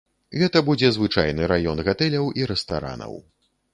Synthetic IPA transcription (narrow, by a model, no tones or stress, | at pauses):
ɣɛt̪ɐbud͡zʲɛzvɨt͡ʂajnɨɾajɔnɣat̪ɛlʲɐwʔiɾɛst̪a̰ɾa̰nɐ̰w